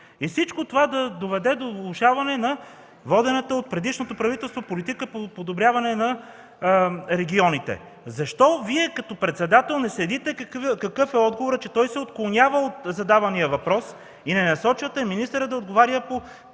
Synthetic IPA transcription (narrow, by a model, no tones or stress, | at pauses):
ifsit͡ʃkot̪ovad̪ɐd̪ovɛd̪ɛd̪ovlˠoʃavɐnɛnɐ | vɔd̪ɛnɐt̪əot̪̚pɾɛd̪iʃnot̪opɾɐvit̪ɛlˠst̪vopolit̪ikəpopod̪obɾʲjavɐnɛnɐ | ɾɛɡʲiɔnit̪ɛ̰ | zɐʃt̪ɔviɛkɐt̪ɔpɾɛt̪sɛd̪at̪ɛlˠnɛslɛd̪it̪ɛkkɐkɤfɛɔd̪ɡovoɾət͡ʃɛt̪ɔjsɛot̪klˠonjavəot̪zɐd̪avɐnijəvɐpɾɔs | inɛnɐsɔt͡ʃvɐt̪ɛminist̪əɾəd̪ɐod̪ɡovaɾjəpo